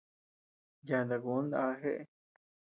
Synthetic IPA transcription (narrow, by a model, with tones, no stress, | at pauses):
ja˧nd̪a˨ɡu˨˦n˦d̪ã˧ɦe˦ʔe˧